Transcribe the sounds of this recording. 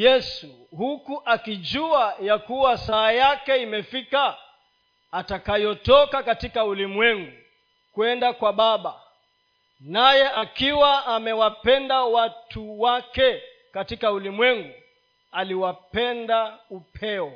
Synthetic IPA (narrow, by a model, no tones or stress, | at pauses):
jɛsu | hukuʔakid͡ʒuajakuwasaːjakɛimɛfikaː | takajɔtɔkakatikaulimwɛŋɡu | kwɛndakwaɓaɓa | najɛʔakiwaamɛwapɛndawatuwakɛ | katikaulimwɛŋɡu | aliwapɛndaupʰɛɔ